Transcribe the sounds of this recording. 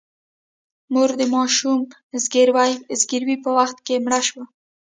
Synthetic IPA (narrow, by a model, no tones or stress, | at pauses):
muɾd̪əmɑʃum | zɡeɾwajzɡiɾwipəwaxt̪̚kemɽaʃwa